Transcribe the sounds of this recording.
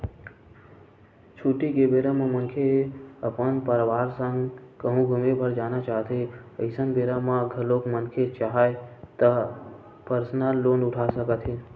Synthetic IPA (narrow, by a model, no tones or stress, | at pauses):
t͡ʃʰuːʈikebeɾamãmənkʰeəpənpəɾʋaːɾsə̃ŋkəɦũɡʱumepəɾd͡ʒaːnat͡ʃaːɦt̪eəɪsənbeɾamãɡʱəlokmənkʰet͡ʃaɦaet̪ə | pəɾsnaloːnʊʈʰasəkət̪ʰɦe